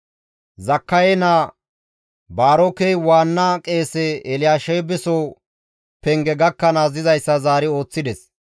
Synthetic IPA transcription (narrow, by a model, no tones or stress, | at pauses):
zɐkːɐjɛnaː | baːɾɔkɛjwaːnːɐkʼe̞ːsɛːlɪjaːʃɛjbɛsoː | pɛŋɡɛɡɐkːɐnaːzɪzɐjsːɐzaːɾɪo̞ːt͡sːɪd̪ɛs